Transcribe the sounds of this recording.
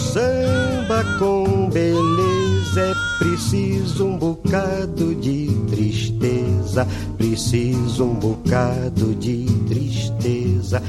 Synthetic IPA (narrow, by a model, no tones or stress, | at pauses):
sɐ̃bɐkõbelezɛ | pɾisizʊũbokad̪ʊd͡ʒɪt̪ɾiʃt̪ezɐ | pɾisizʊũbokad̪ʊd͡ʒɪt̪ɾiʃt̪ezɐ